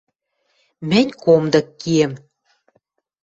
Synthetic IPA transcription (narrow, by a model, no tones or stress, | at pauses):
mɘ̆nʲkomd̪ɤ̆kːiem